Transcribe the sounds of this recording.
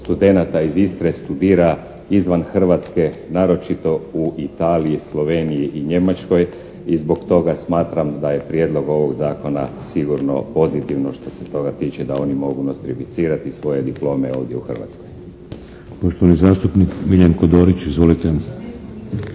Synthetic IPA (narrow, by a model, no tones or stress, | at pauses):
st̪ud̪e̞nat̪aizist̪ɾest̪ud̪iːɾa | izʋanxr̩ʋat̪ske̞naːɾo̞t͡ʃit̪o̞uʔit̪aːliislˠo̞ʋe̞nijiʔiɲe̞mat͡ʃko̞j | izbo̞kt̪o̞ɡasmaːt̪ɾamd̪aje̞pɾje̞d̪lˠo̞ɡo̞ʋo̞ɡzaːko̞na̰siɡuɾno̞̰po̞zit̪iʋno̞ʃt̪o̞set̪o̞ɡat̪iːt͡ʃed̪ao̞nimo̞ɡunost̪ɾifit̪siːɾat̪isʋo̞je̞d̪iplˠo̞ːmeo̞ːʋd̪je̞uxr̩ʋa̰t̪skoj | poʃt̪oʋanizaːst̪upnikmiʎʲjankod̪oːɾit͡ʃizʋolit̪e